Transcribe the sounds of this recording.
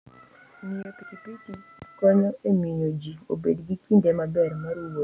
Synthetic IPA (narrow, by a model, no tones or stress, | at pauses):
mijopikipitikɔɲɔʔemiɲod͡ʒio̰bedɡikindɛmabɛrmaɾiwo